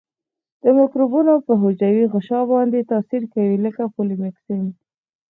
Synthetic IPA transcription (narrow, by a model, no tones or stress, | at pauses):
d̪̥əmɪkɾubunopəɦod͡ʒawiɣəʃɑbɑnd̪et̪ɑsiɾkawiləkapolimɪksim